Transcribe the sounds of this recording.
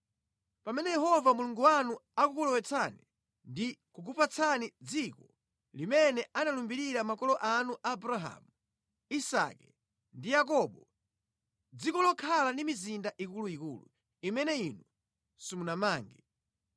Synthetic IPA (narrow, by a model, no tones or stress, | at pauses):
pamɛnɛjɛɦɔvamuluŋɡuwanuakukulɔwɛt͡sʰani | ndikuk̬upat͡sʰanid͡zikɔ | limɛnɛʔanalumbiɾiɾamakɔlɔʔanuʔabuɾaɦa̰mu | isa̰kɛ | ndijak̬ɔɓɔ | d͡zikɔlɔkʰalandimizindaʔikuluikulṵ | imɛnɛinu | sumunamaːŋɡɛ